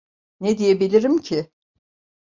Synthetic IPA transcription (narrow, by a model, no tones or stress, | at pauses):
ned̪ijebilʲiɾimcʰɪ